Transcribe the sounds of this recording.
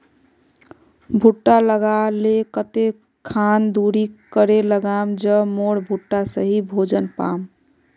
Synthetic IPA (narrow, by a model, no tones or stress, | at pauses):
bʱuʈːaləɡalekət̪e | kʰand̪uɾikəɾeləɡamd͡ʒəmoɽbʱuʈːasəɦibʱod͡ʒənpa̰m